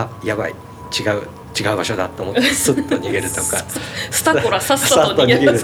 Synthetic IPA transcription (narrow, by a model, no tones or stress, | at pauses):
ajaβaḭ | t͡ɕiɡaɯ̟ | t͡ɕiɡaɯ̟baɕo̞d̪at̪ːeomottesɨt̪ːoɲiɡe̞ɾɯ̟t̪o̞kasɨ̥t̪aoɾasasat̪ːoɲiɡeɾɯ